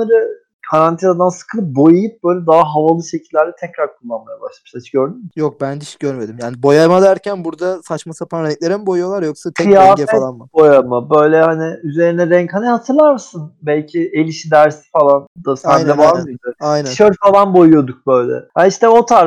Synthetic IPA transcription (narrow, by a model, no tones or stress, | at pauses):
nˠaɾɯ | kʰaɾant̪ʰinad̪ansɯ̥kʰɯlˠɯp̚bo̞jujɯp̚b̥ø̞jlʲɛd̪aɦaɦavalˠɯʃe̞cʰilʲːæɾd̪ɛt̪ʰɛcɾaɾkʰulˠːanmajaba̰ʃlˠamʃat͡ʃɟø̞ɾd̪ymmɪjok̚bænd̪iʃɟøɾmed̪imjaːnibo̞jajmad̪æɾcʰænbuɾd̪asat͡ʃmasapaanɾɛɲc̚lʲe̞ɾinbo̞jujo̞lˠaɾjoksat̪ʰɛɯjaːɛɛalˠanmabo̞jamabø̞jlʲɛhanɪyze̞ɾinɛɾɛɲchanʲihat̪ʰɯɾlˠaɾmɯsɯnbælʲcʰɪelʲiʃid̪æɾsi̥falˠand̪̥asænd̪ɛvalmɯd̪ɯajnænʃøɾfalˠanbo̞jujo̞d̪uk̚bø̞jlʲɛ̰haniʃt̪ʰɛo̞t̪ʰaɾ